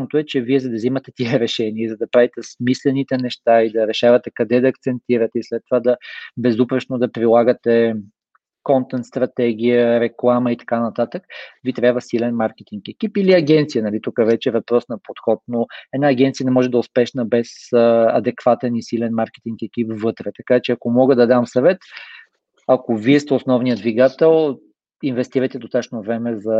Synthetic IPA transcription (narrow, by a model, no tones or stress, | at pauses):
not̪oɛt͡ʃɛviɛzɐd̪ɐvzimɐt̪ɛt̪iɛɾɛʃɛniəizɐd̪ɐpɾavit̪ɛsmislɛnit̪ɛnɛʃt̪aid̪ɐɾɛʃavət̪ɛkɐd̪ɛd̪ɐːk̚t̪sɛnt̪iɾət̪ɛislɛt̪ːovad̪ɐbɛzupɾɛʃnod̪ɐpɾilˠaɡət̪ɛ | kɔnt̪ɛnt̪st̪ɾɐt̪ɛɡ̟ʲijəɾɛklˠaməit̪ɐ̥kanɐt̪at̪əkvit̪ɾʲabvəsilɛnmaɾkɛt̪iŋkɛkʲipiliɐɡʲɛnt̪sijənɐlit̪ukəvɛt͡ʃɛvɐpɾɔsnɐpot̪xɔt̪̚noɛd̪naːɡʲɛnt̪sijənɛmɔʒɛd̪ɐʊspɛʃnəbɛsɐ̰d̪ɛkv̥at̪ɛnisilɛnmaɾkɛ̥t̪iŋkɛkipvɤt̪ɾɛt̪ɐkat͡ʃɛɐkomɔɡəd̪ɐd̪amsɐvɛt̪ | ɐkoviɛst̪ɛosnɔvnijəd̪viɡat̪ɛlˠ | invɛst̪iɾəjt̪ɛd̪ost̪at͡ʃnovɾɛmɛzɐ